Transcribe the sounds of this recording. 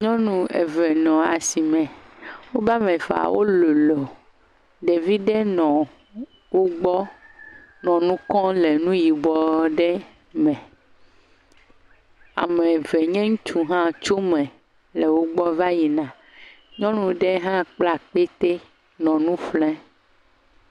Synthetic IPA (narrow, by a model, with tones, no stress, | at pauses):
ɲɔ̃˦nũ˦ḛ˨vɛ˨nɔ̃˨a˨si˨mɛ̃˨wo˦ba˦mẽ˨va̰˨wo̰˦lo˨lo˨ | ɖe˨vi˦ɖe˦nɔ̃˨ | wo˦ɡ͡bɔ˦ | nɔ̃˨nũ˦kɔ̃˦le˨nũ˦ji˨ɡ͡bɔ˨ɖɛ˦ | mɛ̃˨ | a̰˨me˨vɛ˨ɲɛ̃˦ŋũ˦t͡ʃu˦ɦã˦t͡ʃo˦mɛ̃˨ | le˨wo˦ɡ͡bɔ˦va˦ji˨nã˨ | ɲɔ̃˦nũ˦ɖe˦ɦã˦k͡pla˦k͡pe˦t̪e˦ | nɔ̃˨nũ˦flɛ̃˦